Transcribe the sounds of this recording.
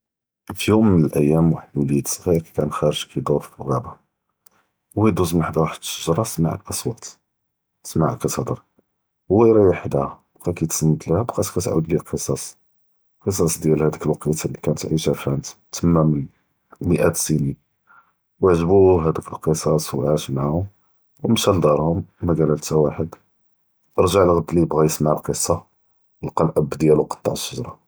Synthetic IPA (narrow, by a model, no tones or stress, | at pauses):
fjumːənəlʔəjːæmwaħəd̪wlit̪ɣiɾkæ̥kænxæɾəʒkʰæjd̪oɾˤfəlɣæba | wid̪uzmħəd̪waħəd̪ʃəʒɾˤɑsma̰ʕə̰lʔɑsˤwɑt̪ | smaʕqət̪ɑd̪əɾˤ | ɣijɾiwaħd̪bqækæjt̪səmːət̪lhæbqæt̪kæt̪ʕṵd̪llqəsˤɑs | qəs̬ˤɑsˤd̪jælhæd̪əkəlwqit̪alikænət̪ʕiʃæfænt̪t̪ʰəmːæmən | məʔæt̪sini | wəʕʒbuɦæd̪əkəlqəsˤɑsˤwʕaʃmʕaʕʊm | wmʃæld̪ɑɾˤhʊmːæɡælælt̪æwaħəd̪ | ʔəɾˤʒaʕlɣəd̪ːlibɣæjəsmaʕlqəsˤːɑ | əlqɑlʔəbːd̪jælwqɑ̥t̪ˤːɑ̰ʕəʃːʊʒɾˤɑ